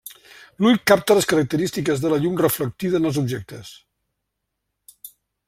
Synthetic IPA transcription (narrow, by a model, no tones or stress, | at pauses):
lujkap̚t̪ələskəɾək̚t̪əɾist̪ikəzðələʎumrəflək̚t̪iðəːnəlˠzubʒɛk̚t̪əs